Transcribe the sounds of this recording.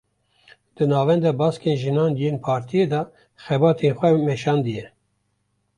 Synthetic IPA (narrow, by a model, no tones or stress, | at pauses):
d̪̥ɨnɑːvɛnd̪ɑbɑːskenʒɨnɑːnjeːnpʰɑːɾt̪ʰijed̪ɑ | xɛbɑːt̪ʰenxʷɛmɛʃɑːnd̪ɨjɛ